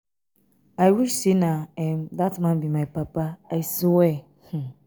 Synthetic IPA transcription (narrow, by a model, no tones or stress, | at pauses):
aɾisinãɛmdatmãbimãpʰapaasʊwɛ | hũ